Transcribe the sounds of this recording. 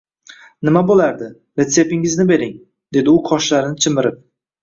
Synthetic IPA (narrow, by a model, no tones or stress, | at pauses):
nɪmabolaɾd̪ɪ | ɾe̞t̪se̞pɪŋɪznɪbe̞ɾɪŋ | d̪e̞d̪ɪʊqʰɒʃlaɾɪnɪt͡ʃʰɪmɪɾɪp̚